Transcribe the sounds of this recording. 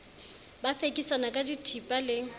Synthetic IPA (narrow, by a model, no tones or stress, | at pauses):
bafekʼisanakʼaditʰipʼalɪ